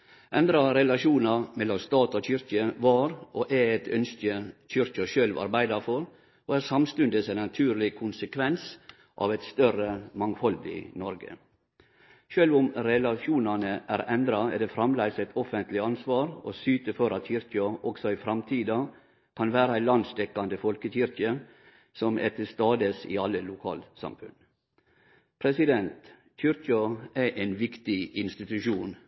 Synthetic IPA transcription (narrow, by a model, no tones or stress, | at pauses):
ʔɛnd̪ɾɑɾɛlɑʂuːnɑɾmɛlːɔmst̪ɑːt̪ɔçʏɾkəʋɑɾoʔæɛt̪ʰœ̰nskəçʏɾkəʃøːlʋɑ̰ɾbæɪd̪ɑɾfɔɾ | oæɾsɑmst̪ʉnd̪əsænɑt̪ʰʉːɾɭɪkʰʊnsəkʰʋɛns | ʔɑ̰ʋɛt̪st̪œrəmɑŋfɑld̪ɪ̰nɔɾɡə̰ | ʃøːlʋʊmɾɛlɑʃuːnɑnəʔæːɾɛnd̪ɾɑɛd̪ɛfɾɑmlæɪsɛt̪ʰɔfənt̪lɪɑnsʋɑːɾosyːt̪əfɔɾɑt̪çʏɾkɪɑʔɔksɔɪfɾɑmt̪ʰiːd̪ɑ | kʰɑnʋæːɾəæɪlɑnst̪ɛkːɑnd̪əfɔlkəçʏɾkɪə | sɔmʔɛ̰t̪ʰəst̪ɑːd̪əsɪ̰ɑlːəlʊkʰɑ̰ːlt̪sɑ̰mfʉ̰n | pʰɾɛsɪd̪ɛnt̪ | çʏɾkɑæʔeːnʋɪkt̪ɪɪnst̪ɪt̪ʉʃuːn